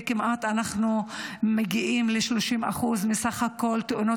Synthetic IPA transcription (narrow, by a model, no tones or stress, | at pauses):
kimʔat̪anaχnumeɡiʔimleʃloʃimʔa̰χuzmisaχhako̞lt̪eʔuno